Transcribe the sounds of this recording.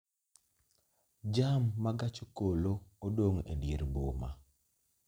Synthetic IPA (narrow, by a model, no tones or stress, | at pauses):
d͡ʒamːaɡat͡ʃokoloodoŋḛdjeɾboma̰